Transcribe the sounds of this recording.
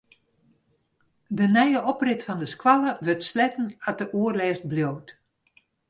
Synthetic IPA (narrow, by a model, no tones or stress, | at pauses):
dənɛjəʔɔprɪtfɔndəskwalˠəʋøtslɛkn̩at̚dəʔuərlɛːst̚bljowt